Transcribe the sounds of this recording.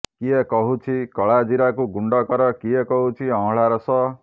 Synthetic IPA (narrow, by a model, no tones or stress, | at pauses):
kiekɔɦut͡ʃʰikɔɭad͡ʒiɾakuɡuɳɖɔkɔɾɔkiekɔɦut͡ʃʰiɔ̃ɦɭaɾɔsɔ